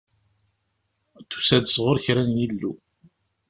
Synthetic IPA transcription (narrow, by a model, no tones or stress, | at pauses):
θu̥sæd̪əsʁʊɾçɾænjilːṵ